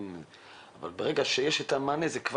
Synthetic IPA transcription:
n | ava̰lbeʁeɡaʃejeʃet̪amanezekv

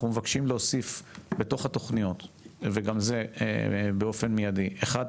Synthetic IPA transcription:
umevakʃimleosifbe̞t̪o̞χhat̪o̞χnijo̞t̪veɡamze̞̰ | beo̞fe̞nmijadiʔeχad

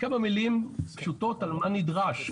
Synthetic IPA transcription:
kamamilimpʃuto̞talmanidʁaʃ

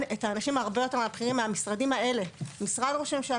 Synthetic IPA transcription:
nethaːnaʃimaːʁbejo̞te̞meapχiʁimːeamisʁadimae̞le̞misʁadʁoʃemʃe

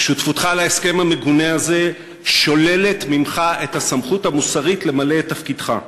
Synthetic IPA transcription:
ʃutfutχalaeske̞mhame̞ɡuneaze̞ | ʃo̞le̞le̞tmimχae̞thasamχutamusaʁitle̞male̞tafkidχa̰

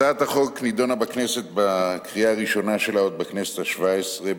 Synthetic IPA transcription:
aːt̪aχoknid̪o̞nabaknese̞t̪bakʁijaːʁiʃo̞naʃe̞laot̪̚baknesethaʃvaesʁe

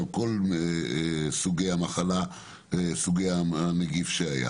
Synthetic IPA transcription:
ko̞lesuɡejhamaχala | esuɡejaaneɡifʃeaja̰

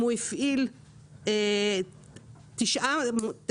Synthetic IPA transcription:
uifʔil | e | t̪iʃʔamt̪

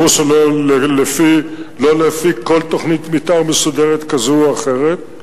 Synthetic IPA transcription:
uʃelollefilolefiko̞lt̪o̞χnit̪mit̪aʁmesud̪eʁet̪kazuaχe̞ʁet̪̚

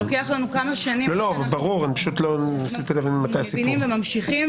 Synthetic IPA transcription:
okeaχlanukamaʃanilolo̞baʁuʁanipḁʃut̪lonasit̪ilavinmat̪ajsipinimvemamʃiχim

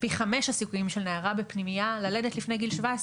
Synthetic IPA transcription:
piχame̞ʃhasikujimʃelneaʁabepnimijalaledetlifnejɡilʃvaes

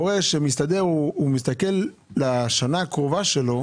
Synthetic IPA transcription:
oʁeʃemist̪ad̪eʁuumis̬t̪akelː | aʃanaːkʁovaʃelo̞

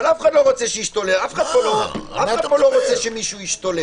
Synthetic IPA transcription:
alafχad̪loʁot͡seʃeiʃt̪o̞leafχad̪̚poloaad̪̚poloʁot͡seʃemiʃuiʃt̪ole

